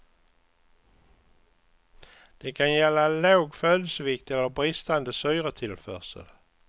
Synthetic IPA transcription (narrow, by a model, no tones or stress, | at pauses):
d̪̥eːkʰɑnjɛlalaʊɡføːləsəʋɪk̚t̪ɛlːəʁbʁɪst̪and̪əsœʏʁət̪ʰɪlfœ̰ːsə̰l